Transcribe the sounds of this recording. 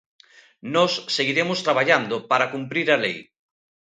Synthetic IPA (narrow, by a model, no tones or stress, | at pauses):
nɔsːeɣiɾemʊst̪ɾaβ̞aʎand̪opaɾakumpɾiɾalej